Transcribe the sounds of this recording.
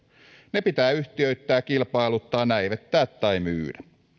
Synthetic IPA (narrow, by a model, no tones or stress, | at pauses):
nepit̪æːyht̪iøyt̪ːæːkilpɑilut̪ːɑːnæiʋet̪ːæːt̪ːɑimy̰ːdæ